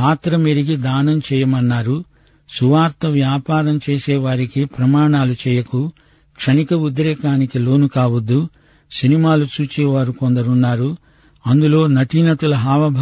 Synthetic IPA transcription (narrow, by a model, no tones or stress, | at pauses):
aːt̪ɾɐmeːɾiɡid̪aːnɐmt͡ʃɛːjɐmɐnːaːɾu | suʋaːɾt̪ɐʋjaːpaːɾɐmt͡ʃeːsɛːʋaːɾikipɾɐmaːɳaːlut͡ʃɛːjɐku | kʂɐɳikɐud̪ɾɛːkaːnikilo̞ːnukaːʋɐd̪ːu | sinimaːlut͡ʃuːt͡ʃɛːʋaːɾukond̪ɐɾunːaːɾu | ɐnd̪ulo̞ːnɐʈinɐʈulɐɦaːʋɐbʱ